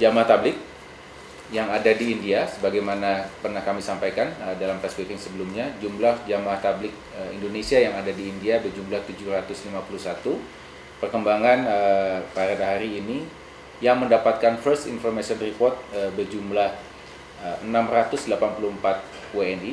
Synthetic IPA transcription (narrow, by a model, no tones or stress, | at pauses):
d͡ʒamaht̪ablɪk̚ | jaŋadadiːndiasəbaɡajmanapərnahkamisampajkanədalampɛswikɪŋsəbəlumɲad͡ʒumlahd͡ʒamaht̪ablɪk̚əḭndonesiajaŋadadiːndiabərd͡ʒumblaht̪ud͡ʒuɾat̪ʊslimapulusat̪u | pərkəmbaŋanəpaɾadaɦaɾiːni | jaŋməndapat̪̚kanfərsḭnfɔrmasiɔnripɔrt̪̚əbərd͡ʒumlah | əənamrat̪ʊsdəlapanpuluhəmpat̪̚ | weɛni